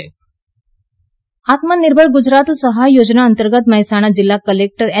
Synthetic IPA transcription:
at̪məniɾbʱəɭɡud͡ʑɾat̪səɦajːod͡ʑnaənt̪əɾɡət̪məɦsaɽ̃ad͡ʑilːakəlek̚ʈəɾɛ

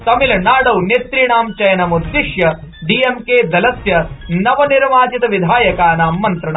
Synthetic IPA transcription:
t̪ɐmilɐnaːɽɐwnet̪ɾiɳaːmt͡ʃɐjɐnɐmud̪ːiʂjɐ | ɖiːemkeːd̪ɐlɐsjɐnɐʋɐniɾʋaːt͡ʃit̪ɐʋid̪ʱaːjɐkaːnaːmːɐnt̪ɾɐɳa

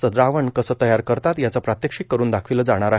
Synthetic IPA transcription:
əɾaʋəɳkəsəːt̪əjaɾkəɾt̪at̪jat͡sapɾat̪jəkʂiːkːəɾuːnd̪akʰʋiləd͡zaɽ̃aɾa

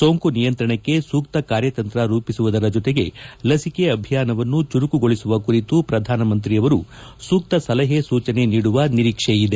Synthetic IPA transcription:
soːŋkunijɐnt̪ɾɐɳɐkːe̞suːkt̪ɐkaːɾjɐt̪ɐnt̪ɾɐɾuːpisuʋud̪ɐɾɐd͡ʒot̪e̞ɡe̞̰lɐsikeɐbʱijaːnɐʋɐnːut͡ʃuɾukuɡo̞ɭisuʋɐkuɾit̪upɾɐd̪ʱaːnɐmɐnt̪ɾiɐʋɐɾu | suːk̚t̪ɐsɐlɐɦesuːt͡ʃɐne̞niːɽuʋɐniɾiːkʂeid̪e̞

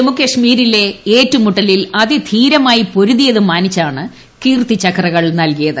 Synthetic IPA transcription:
emukːɐʂmiːɾile̞eːtːumuʈːɐlilɐðid̪ʱiːɾɐmaːjipo̞ɾuðijɐðɨmaːnit͡ɕːaːɳɨ | kiːrt̪it͡ɕːɐkrɐɣɐɭnɐlkijɐðɨ

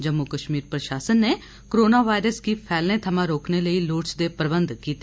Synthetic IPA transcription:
d͡ʒəmːʊkəʃmiːɾpɾəʃaːsənːeː | kɾoːnaːʋaːɪɾəskipʰɛːlnẽːt̪ʰəmãɾoːkneləiːloːʈsd̪eːpəɾbənd̪kiːt̪e

